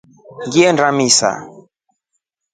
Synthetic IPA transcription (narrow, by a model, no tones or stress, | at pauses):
ŋɡiɛnɾamisa̰